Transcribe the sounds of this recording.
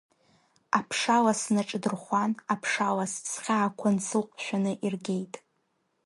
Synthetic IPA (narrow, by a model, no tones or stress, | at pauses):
apʰʂalasnɨʈ͡ʂʼdɨrχʷanapʰʂalast͡sʰχʲaːkʷʰansʰɨlqʼʃᶣanɨʔirɡʲe̞jtʼ